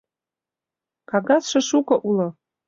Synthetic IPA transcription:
kʰaɡaʂʰʷaʂukʷʼaʔula

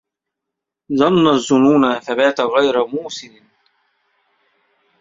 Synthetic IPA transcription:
ðˤɑnːazːʊnuːnaθabaːt̪aɣajɾamuːsɪnɪ

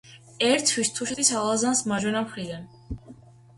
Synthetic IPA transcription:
ɛɾt̪ʰwist̪ʰuʃɛd̪isalˠazansmaʒwɛnapʰɾid̪an

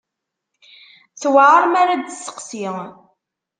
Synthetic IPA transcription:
θwaʕəɾˤmaɾad̪sːə̥qsiʁ

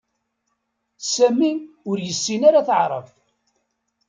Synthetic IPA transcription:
sæmiʊɾjəsːinaɾaθəʕɾˤə̰f

